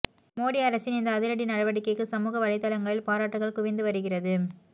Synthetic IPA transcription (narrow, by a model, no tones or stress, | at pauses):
moːɽiɐɾɐsɪnɪnd̪ɐːðɪɾɐɽinɐɽɐʋɐɽɪkːɐɪkːɯsɐmuːɣɐʋɐɻɐɪt̪ːɐlɐŋɡɐɭɪlpaːɾaːʈːɯɣɐɭkʊʋɪnd̪ɯʋɐɾɯɣɪrɐðɯ